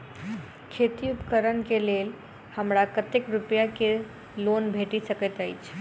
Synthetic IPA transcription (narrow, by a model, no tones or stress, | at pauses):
kʰet̪iupkəɾənkelel | həmɽakət̪ekɾupjake | lonbʱeʈisəkət̪ajt͡ʃʰ